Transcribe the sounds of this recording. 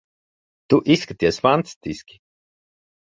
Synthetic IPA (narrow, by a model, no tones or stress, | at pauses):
t̪uʔiskat̪iɛsfant̪st̪iskʲi̥